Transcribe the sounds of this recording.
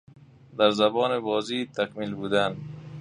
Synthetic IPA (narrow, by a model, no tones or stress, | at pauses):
d̪aɾzabɔːnɪbɒːzit̪ʰakmilbuːd̪an